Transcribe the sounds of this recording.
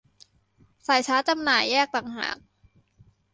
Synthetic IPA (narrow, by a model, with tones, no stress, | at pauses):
saː˨˩˦jt͡ɕʰaː˦˥t͡ɕa˧mnaː˨˩jːɛː˥˩k̚t̪a˨˩ŋha̰ː˨˩˦k̚